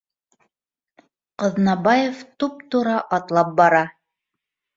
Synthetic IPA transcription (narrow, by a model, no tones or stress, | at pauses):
qɤ̆ðnɑbɑjeft̪up̚t̪uɾɑʔɑt̪lˠɑp̚bɑɾɑ